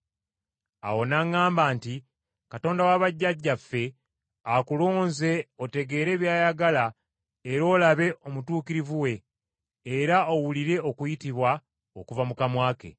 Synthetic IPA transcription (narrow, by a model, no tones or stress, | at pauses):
a̰wo̞naŋːaːmbaːnti | kato̞ːndawaβaɟːaɟːafːe̞ | akulo̞ːnze̞ote̞ɡe̞ːɾe̞ːβjaːjaɡala | eɾo̞ːlaβe̞ʔo̞mutuːkiɾivuwe̞ː | ɾaowuliɾe̞o̞kujitiβwa | okuvamukamwaːke̞̰